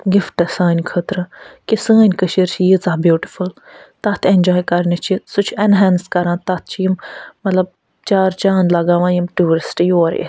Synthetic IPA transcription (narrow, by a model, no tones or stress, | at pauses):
ɡifʈɐsaːnʲkʰət̪ɾɨkisəːnʲkəʃiɾt͡ʃʰijizaːbjuːʈi̥ful | t̪ɐt̪ʰenʲd͡ʒaːjkɐɾnʲɐt͡ʃʰisut͡ʃʰɛnɦɛːnskɐɾãːt̪ɐt̪̚ʰt͡ʃʰjimmɐt̪lɐb̚ | t͡ʃaːɾt͡ʃaːnlɐɡaːʋãːjimʈuːʋəɾsʈijoːɾḭ